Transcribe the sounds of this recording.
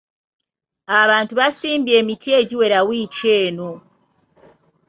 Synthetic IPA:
aβaːntuβasiːmbie̞ːmitʰie̞ɟiwe̞ɾawiːce̞ːno̞

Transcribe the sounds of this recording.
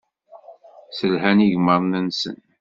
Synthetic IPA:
səlɦæniʝməɾˤnænsə̰n

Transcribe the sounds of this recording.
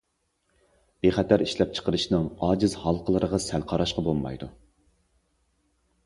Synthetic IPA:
b̥eχɛt̪ʰæɾiʃlɛp̚t͡ʃʰə̥qəɾɨʃnɨŋɑːd͡ʒɪzhɑlˠqʰəlˠəɾəʁɑsælqʰɑɾɑʃqɑbolˠmɑ̰jd̪u

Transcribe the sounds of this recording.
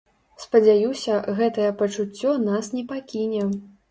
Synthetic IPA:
spɐd͡zʲajusʲɐɣɛt̪ɐjɛpɐt͡ʂut͡sʲːɔnasnʲɛpakʲinʲɛ

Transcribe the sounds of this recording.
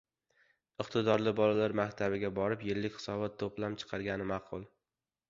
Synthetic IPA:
ɨqt̪ʰɪd̪ɒɾlɪbɒlalaɾmakʲt̪ʰabɪɡʲabɒɾɪpjɪlːɪkʲχɨ̥sɒbat̪ʰːoplamt͡ʃʰɨ̥qʰɑɾɡʲanɪmɑqʰʊlˠ

